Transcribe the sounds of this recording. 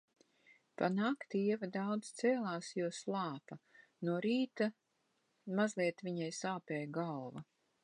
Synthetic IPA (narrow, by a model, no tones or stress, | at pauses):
panaːkt̪iɛvad̪awd̪z̥t̪sɛːlˠaːsjuɔslˠɑːpa | nuɔɾiːt̪a | mazliɛt̪vʲiɲajsaːpɛːjɡalˠva